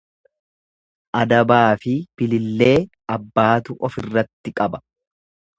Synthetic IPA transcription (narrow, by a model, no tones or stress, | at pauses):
ʔɐd̪ɐbaːfɪb̥ɪlɪlːe̞ː | ɐbːaːt̪ʊʔɔfɪrːɐt̪ːɪkʼɐbɐ̥